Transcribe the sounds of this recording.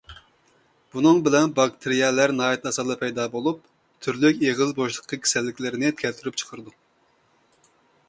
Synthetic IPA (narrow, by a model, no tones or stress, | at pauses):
b̥unɨŋbɪlɛnbɑk̚t̪ʰɨɾijɛlæɾnɑːjɛt̪ɑsɑld̪ˠɑpʰɛjd̪ɑːbolˠup̚ | t̪ʰyɾlykʲeʁɨzboʃlˠəqːɑkʲʰe̥sɛlːɪkʲlɪɾɪnɪt̪ʰkʲʰɛlt̪ʰyɾyp̚ʲt͡ʃʰə̥qʰəɾɨd̪u